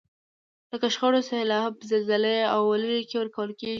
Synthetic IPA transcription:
ləkaʃxəɽosahlɑhapəzəlzaləawːaləɾikewəɾkawəlke

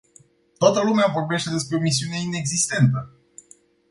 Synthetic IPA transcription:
t̪oat̪əlumeavo̞rbe̞ʃt̪e̞d̪e̞spɾe̞o̞mis̬iune̞ine̞ɡzist̪e̞nt̪ə

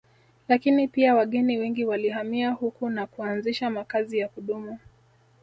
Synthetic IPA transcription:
lakinipiawaɠɛniwɛŋɡiwaliɦamiahukunakuanziʃamakazijakuɗumu

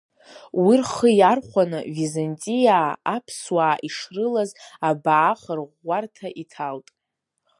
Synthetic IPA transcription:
wirχəjarχʷanɨvizantʼijaːapʰswaːʔiʂrɨlazabaʕːχərʁːartʰaʔitʰaltʼ

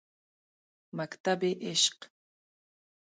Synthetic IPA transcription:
makt̪abɪʔɪʃq

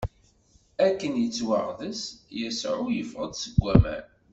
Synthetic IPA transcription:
ækːənjət͡sːwəʁðəsjəsʕʊjəfʁəd̪səɡʷːæmæ̰n

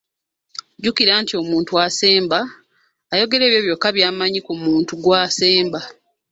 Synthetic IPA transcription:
ɟukiɾaːntio̞muːntuase̞ːmbaː | jo̞ɡe̞ɾe̞ːβjo̞ːβjo̞kːaβjaːmaɲikumuːntuɡwaːse̞ːmba

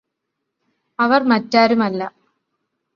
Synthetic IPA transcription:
ɐʋɐrmɐtːaːɾumɐlːɐ

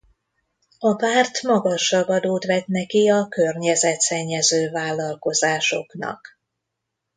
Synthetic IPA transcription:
ɒpaːrt̪mɒɡɒʃɒbɒd̪oːt̪ʋɛt̪nɛkiɒkørɲɛzɛt̪sɛɲːɛzøːvaːlːɒlko̞zaːʃo̞knɒ̰k

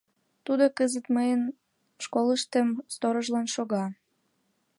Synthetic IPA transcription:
t̪ud̪okəzət̪məjən | ʃkoləʃt̪əmst̪oɾoʒlɑnʃoɣɑ

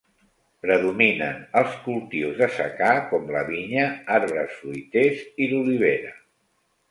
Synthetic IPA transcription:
pɾəðuminə̰nəlˠskulˠt̪iwzðəsə̰kakɔmləβiɲəaɾβɾəsfɾujt̪eziluliβ̞eɾə

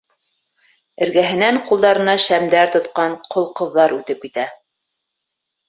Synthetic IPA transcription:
ɘ̆ɾɡæɦɘ̆næɴqulˠd̪ɑɾɤ̆nɑʃæmd̪æɾt̪ŏt̪qɑɴqʰŏlˠqɤ̆ðːɑɾʉt̪ɘp̚kit̪æ

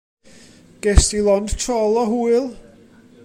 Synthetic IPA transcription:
ɡ̥ɛsilˠɔnd̥tʰɔlˠɔɦuɨlˠ

